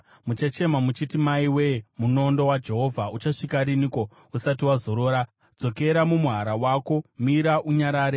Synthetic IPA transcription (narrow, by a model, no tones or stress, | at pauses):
mut͡ʃat͡ʃe̞mamut͡ʃitimaiwemuno̞ndo̞wad͡ʒe̞ɦo̞vʱaut͡ʃaʂikaɾiniko̞ | usat̬iwazo̞ɾo̞ːɾa | d͡zo̞ke̞ɾamumuɦaɾawako̞miɾaʔuɲaɾaːɾe